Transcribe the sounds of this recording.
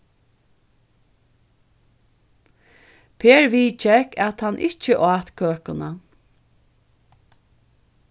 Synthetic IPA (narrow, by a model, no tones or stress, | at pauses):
pʰeːɹʋiːt͡ʃɛkat̪hanʔɪt͡ʃəʔɑːt̪kʰøːkʊna